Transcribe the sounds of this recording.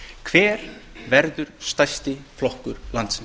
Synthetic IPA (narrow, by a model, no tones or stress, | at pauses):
kʰv̥ɛːɾ̥vɛɾðʏɾ̥st̪ajst̪ɪflɔhkʏɾ̥lant̪sn